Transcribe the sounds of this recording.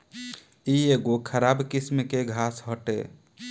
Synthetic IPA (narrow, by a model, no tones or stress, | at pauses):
ieɡokʰəɾabkismkeɡʱasɦəʈḛ